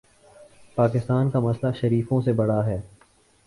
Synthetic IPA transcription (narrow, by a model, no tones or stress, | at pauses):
paːkɪst̪aːnkamɐslaʃɐɾiːfõsebɐɽaɦɛː